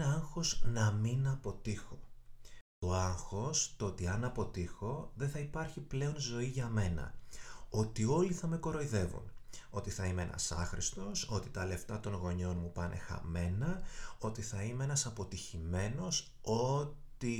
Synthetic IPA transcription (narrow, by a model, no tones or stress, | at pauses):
ɐŋxo̞znɐminɐpo̞t̪ixo̞ | t̪o̞ɐŋxo̞st̪oot̪iɐnɐpo̞t̪ixo̞ðeθɐipɐɾçiple̞o̞nzo̞iʝɐme̞nɐ̰o̞t̪io̞liθɐme̞ko̞ɾo̞iðe̞vṵno̞t̪iθɐimeḛnʔɐ̰sɐ̰xɾʔist̪o̞so̞t̪it̪ɐle̞ft̪ɐt̪o̞nɣo̞ɲo̞nmupɐnʔe̞̰xɐ̰me̞nɐo̞t̪iθɐimeenɐsɐpo̞t̪içime̞no̞s | o̞t̪i